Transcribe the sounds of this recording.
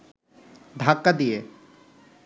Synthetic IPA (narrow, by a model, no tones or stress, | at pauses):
d̪ʱakːad̪ije